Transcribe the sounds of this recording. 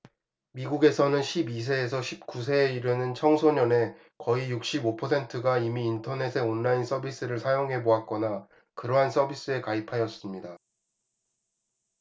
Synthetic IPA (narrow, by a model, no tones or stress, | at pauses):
miɡuɡe̞sʰʌnɯnɕʰibis̬ʰe̞ːs̬ʰʌɕʰip̚k͈us̬ʰe̞ːiɾɯnɯnt͡ɕʰʌŋsʰoɲʌne̞ | kʌijuk̚ɕ͈ibopʰʌsʰe̞ntʰɯɡaimiːntʰʌne̞sʰe̞ʌnːains͈ʌbis͈ɯɾɯɭsʰajoŋɦe̞boak̚k͈ʌna | kɯɾʌɦans͈ʌbis͈ɯe̞kaipʰajʌs͈ɯmɲida